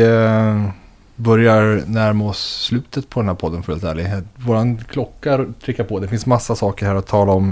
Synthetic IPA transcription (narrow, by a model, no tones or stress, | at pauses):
bœɾjaɾnæɾmɔslʉ̟ːt̪ət̪pʰɔd̪ɛnhæːɾpʰɔd̪ːənfœɾɭʉlt̪ʰæ̰ːɭɪɡvoːɾankʰlɔkːaɾt̪ʰɾɪkːaɾpʰɔd̪ɛfɪnsmasːasɑːkəɾhæːɾɔt̪ʰːɑːlaɔm